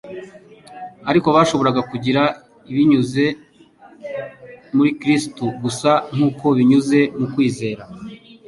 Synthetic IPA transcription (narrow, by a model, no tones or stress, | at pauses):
aɾiko̞βaːʃo̞βo̞ɾaɡakuɟiɾa | iβiɲuze̞ | muɾikɾistuɡusaŋ̥uːko̞βiɲuze̞mukwiːze̞ːɾa